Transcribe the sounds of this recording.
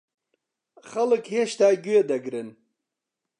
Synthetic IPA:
xɐləkheɕt̪aːɡʲued̪ɐɡɾen

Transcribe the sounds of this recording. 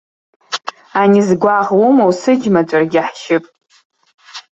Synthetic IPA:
anizɡʷaʁwumowsɨd͡ʒʲmat͡ʃʷʼarɡʲɪħʃɪpʼ

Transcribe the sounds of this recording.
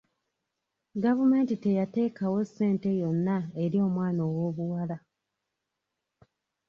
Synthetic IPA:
ɡavume̞ːntite̞jate̞ːkawo̞sːe̞ːnte̞jo̞nːaeɾio̞ːmwaːnoːwo̞ːβuwala

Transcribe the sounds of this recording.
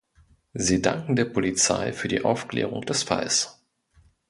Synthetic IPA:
ziːda̰ŋkŋ̩deːɐpʰolit͡sa̰ɪfyːɐdiːʔaʊfklḛːʁ̞ʊ̰ŋd̥ɛsfa̰ls

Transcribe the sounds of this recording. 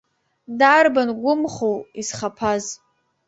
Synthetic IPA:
darbanɡʷʊmχowisχapʰaz

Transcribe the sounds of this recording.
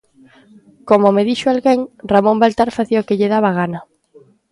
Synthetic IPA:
komomeðiʃoalɣeŋramõmbalt̪aɾfaθiokɪʎeðaβaɣ̞anɐ

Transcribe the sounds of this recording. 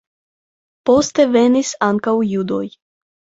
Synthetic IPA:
pɔst̪ɛvɛnisaŋkaujud̪o̰j

